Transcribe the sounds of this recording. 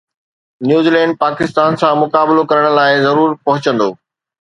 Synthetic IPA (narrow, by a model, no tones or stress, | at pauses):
njuːzilɛ̃ːɳɖ̚paːkɪst̪aːnsãmʊkaːbɪlokɐɾəɽ̃̆laːɪzɐɾuːɾpɐɦʊt͡ɕə̃nd̪o̰ː